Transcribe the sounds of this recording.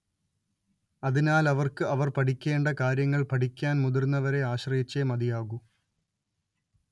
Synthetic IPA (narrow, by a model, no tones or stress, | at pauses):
ɐðinaːlɐʋɐrkɨɐʋɐrpɐʈikʲːe̞ːɳɖɐkaːɾjɐŋːɐɭpɐʈikʲːaːnmuðurnːɐʋɐɾe̞aːɕrɐjit͡ɕːemɐd̪ijaːɣu